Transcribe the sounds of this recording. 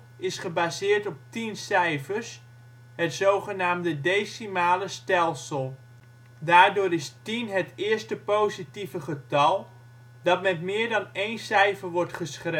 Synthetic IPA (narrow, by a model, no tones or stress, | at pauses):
ɪsχəbazɪːɹtɔp̚tinsɛjfəɹs | ɦətsowχənaːmdədejsimaːləstɛlˠsəlˠ | daːɹdʊːɾɪstinɦətɪːɹstəpowzitivəχətɑlˠ | dɑtmɛtmɪːɹdɑnejnsɛjfəɹʋɔɹtχəsχre